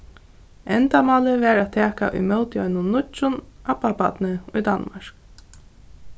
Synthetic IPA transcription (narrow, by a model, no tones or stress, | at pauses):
ɛnt̪amɑːlɪvɛːɾat̪ʰɛːka̰ʔʊ̰jmœlt̪jɔʏnʊnːʊt͡ʃʊnʔapːapa̰d̪nɪʊjd̪anmaɹ̥k